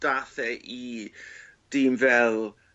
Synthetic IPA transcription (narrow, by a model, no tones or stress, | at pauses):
d̥aθɛʔi | d̥iːmvɛlˠ